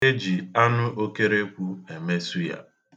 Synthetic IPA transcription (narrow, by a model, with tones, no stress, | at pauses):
e˦d͡ʒi˨a˦nʊ˦ʔo˦ke˦ɾe˦kʷu˦e˨me˦su˦ja̰˨